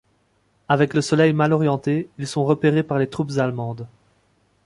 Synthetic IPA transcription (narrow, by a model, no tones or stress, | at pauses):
avɛkləsɔlɛjmalɔʁjɑ̃t̪eilsɔ̃ʁəpeʁepaʁlet̪χupzalmɑ̃d̪